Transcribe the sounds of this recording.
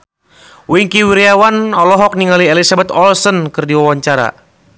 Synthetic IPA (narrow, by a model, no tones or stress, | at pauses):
wiŋkiwiɾiawanɔlɔɦɔk̚niŋaliɛlisabɛt̪ɔlsɔnkɨrdiwawaɲt͡ʃaɾa̰